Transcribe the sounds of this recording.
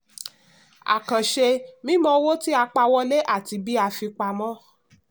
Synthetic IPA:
a̰˨kã˨ʃe˧mĩ˦mɔ̃˧wo˦ti˦a˧k͡pa˧wɔ˧le˦ʔa˦˨ti˧bi˦a˧fi˧k͡pa˧mɔ̃˦

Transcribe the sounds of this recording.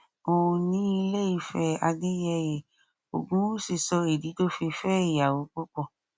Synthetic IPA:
o˨˧nĩ˨˦i˧le˦i˦˧˨fɛ˧a˧ɡe˦jɛ˧je˨ | o̰˨ɡũ˨˦si˨sɔ˧e˨di˨˦to˦fi˧fɛ˦i˨a˨wo˨˦k͡pɔ˦k͡pɔ˧˨

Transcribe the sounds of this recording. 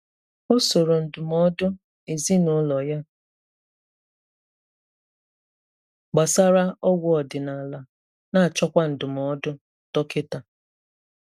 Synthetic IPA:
o˦so˨ɾo˨n̩˨dʊ˨mɔ˦dʊ˦ | e˨zi˦nʊ˨˦lɔ˨ja˦ | ɡ͡ba˨sa˦ɾa˦ɔ˦ɡʷʊ˦˨ɔ˨dɪ˨na˨la˨ | na˦˨t͡ʃɔ˦kʷa˦n̩˨dʊ˨mɔ˨˦dʊ˦ | tɔ˦kɪ˦ta˨

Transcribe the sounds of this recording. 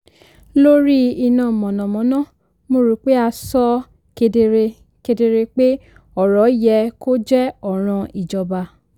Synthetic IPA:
lo˦ɾi˦i˧nã˨mɔ̃˨nɔ̃˨mɔ̃˨˦nã˦˨ | mo˧˨ɾu˨˧˦k͡pe˦a˧sɔ˦ | ke˧de˧ɾe˧ | ke˧de˧ɾe˧k͡pe˦ | ɔ˨ɾɔ˨˦jɛ˧ko˦d͡ʒɛ˦ɔ˨ɾ̃ɔ̃˧i˨d͡ʒɔ˨ba˧

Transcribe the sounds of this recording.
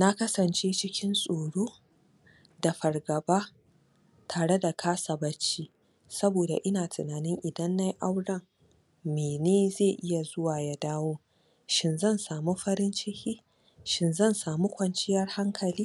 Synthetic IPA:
na˦kɐ˦sɐ˨nt͡ʃeː˦t͡ʃɪ˦kʲɪ˦nsʼoː˨ɽoː˦ | da˨ɸɐ˨rɡɐ˨baː˦ | tʰaː˨ɽe˦da˨kʰaː˦sɐ˨bɐ˦t͡ʃːiː˦ | sɐ˦boː˨da̰˨ʔɪ˦naː˨tʰɪ˨naː˨nɪ˦ŋʔɪ˨dɐ˦nːa˦jʔa˦wɽɐ˦ŋ | meː˨neː˦zeː˦˨ʔɪ˦ja˨zʊ˦waː˨ja˦daː˦woː˦ | ʃɪ˦nzɐ˦˨nsaː˨mu˦ɸɐ˦ɾɪ˦nt͡ʃɪ˦hiː˦ | ʃɪ˨nzɐ˦˨nsaː˨mu˦kʷɐ˨nt͡ʃɪ˦jɐ˦˨rha˦ŋkʰɐ˨liː˦

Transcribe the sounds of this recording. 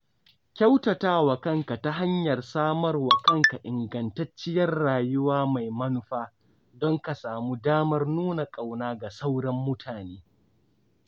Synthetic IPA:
kʲa˦wtɐ˨taː˦wɐ˨kɐ˦ŋka˨ta˦ɦa˦ɲjɐ˨rsaː˦mɐ˦rwɐ˨kɐ˦ŋka˨ʔɪ˨ŋɡɐ˨ntɐ˦t͡ʃːɪ˦jɐ˦rːaː˨jʊ˦waː˦ma˨jmɐ˦nʊ˦ɸaː˦ | dɔ˦ŋka˨saː˨mu˦daː˦mɐ˦rnuː˦na˨kʼa˨wnaː˦ɡa˨sa˦wɽɐ˦mːʊ˦tʰaː˨neː˦

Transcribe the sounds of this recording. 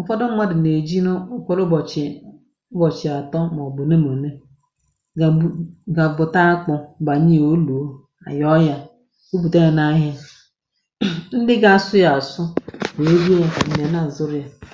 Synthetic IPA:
ʊ˨fɔ˦dʊ˦ma˦dɪ˨ne˨d͡ʒi˦no˦ʊ˦kɔ˦ɾʊ˦bt͡ʃ | ʊ˦bɔ˨t͡ʃɪ˨a˨tɔ˦m˨ɔ˨bʊ˨ne˦mo˨ne˦˨ | ɡa˨bʊ˨ta˦a˦k͡pʊ˨ba˨ɲi˦o˦lu˨o˦ | a̰˨jɔ˦ja˦ | u˦bu˨te˦ŋe˨na˦ɦa˦ | n̩˦dɪ˦ɡa˦a˨sʊ˦ja˨a˨sʊ˦be˨e˦ɡi˦˨n̩˨ne˨na˦˨zʊ˦ɾa˨

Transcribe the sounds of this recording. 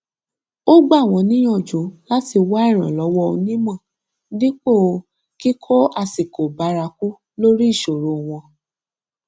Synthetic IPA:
o˦ɡ͡ba˦˨w̃ɔ̃˧nĩ˦j̃ɔ̃˦˨d͡ʒo˨˦la˦ti˧wa˦ɛ˦˨ɾ̃ã̰˨lɔ˨˦wɔ˦o˧nĩ˦mã˦˨ | dĩ˦k͡po˦˨˧ | ki˦kʰɔ˦a˧si˨ko˨ba˨˦ɾa˧ku˦ | lo˦ɾi˦i˦˨ʃo˨ɾo˨˧w̃ɔ̃˧

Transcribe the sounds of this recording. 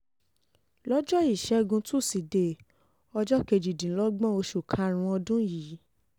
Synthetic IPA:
lɔ˦d͡ʒɔ˦i˦˨ʃɛ˨˦ɡũ˧tu˦˨si˨de˨ | ɔ˧d͡ʒɔ˦ke˧˨d͡ʒi˨dĩ˨˦lɔ˦ɡ͡bɔ̃˦o˧ʃu˨kʰã˧˦˧ɾ̃ũ˧ɔ˧dũ˦jiː˨˦

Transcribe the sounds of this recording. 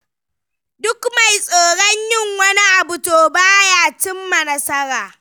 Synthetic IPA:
dʊ˦kma˨jsʼoː˨ɽɔ˦ɲjɪ˦˨ŋwɐ˦ni˦ʔa˨bʊ˨toː˨baː˦jaː˨t͡ʃɪ˦mːɐ˨nɐ˦sɐ˦ɾaː˨

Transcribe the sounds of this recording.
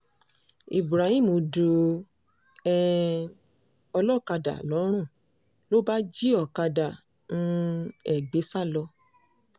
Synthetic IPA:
i˨bɾa˨hĩ˦˨mo˧du˧ | ɛ˦ | ɔ˧lɔ˦˨ka˧da̰˨lɔ˨˦ɾ̃ũ˦˨ | lo˦ba˦d͡ʒi˦ɔ˦˨ka˧da˨ | nũ˦ɛ˦˨ɡ͡be˨˦sa˦˨lɔ˧

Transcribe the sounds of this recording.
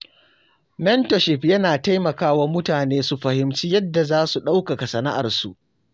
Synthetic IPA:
mɛ˦ntɔ˨ʃɪ˦pjɐ˦naː˨ta˦jmɐ˨kaː˦wa˦mʊ˦taː˨neː˦su˨ɸɐ˨hɪ˨mt͡ʃiː˦jɐ˦dːa˨zaː˦su˨ɗa˦wka˨ka˨sɐ˨na˦ʔa̰˨rsu˨ʔ

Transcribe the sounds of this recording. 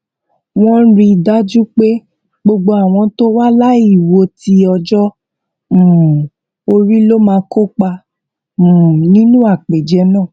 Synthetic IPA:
w̃ɔ̃˦ɾi˧da˦d͡ʒu˦k͡pe˦ | ɡ͡bo˧ɡ͡bo˧a˨w̃ɔ̃˧to˦wa˦la˦i˦˨wo˧ti˧ɔ˧d͡ʒɔ̃˦˨ | o˧ɾi˦lo˦mãː˧ko˦k͡pa˧ | ũ˨nĩ˦nũ˦a˦˨k͡pe˨d͡ʒɛ˧˦nãː˦˨

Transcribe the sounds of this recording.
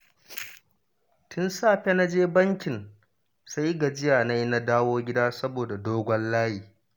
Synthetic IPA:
tʰʊ˦nsaː˦˨ɸe˦na˦d͡ʒeː˦bɐ˦ŋkʲɪ˨n | sa˦jɡa˨d͡ʒɪ˦jaː˨na˦jna˦daː˦woː˦ɡʲɪ˦daː˦sɐ˦boː˨da˨doː˦ɡʷɔ˦nlaː˦hiː˨

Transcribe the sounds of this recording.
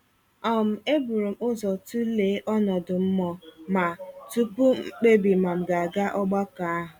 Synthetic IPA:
ɔ˨m̩˨e˦bu˨ɾu˨mʊ˦zɔ˨tu˦le˨˦ʔɔ˦nɔ˨dʊ˨m̩˦mɔ˨ma˨tu˦k͡pu˦k͡pe˦bi˨ma˨ŋ͡m̩˨ɡa˨a˨ɡa˦ʔɔ˦ɡ͡ba˦ka˨a˦ɦʊ˨

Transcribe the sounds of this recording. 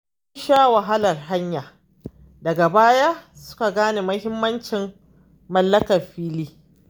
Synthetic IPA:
ʊ˦nʃaː˦wɐ˨ɦa˦lɐ˨rɦa˦ɲjaː˨ | dɐ˨ɡa˨baː˦ja˦sʊ̥˦ka˨ɡaː˦neː˨mɐ˦hɪ˦mːɐ˦nt͡ʃɪ˨mː | ɐ˨lːɐ˦kɐ˨rɸiː˦liː˦

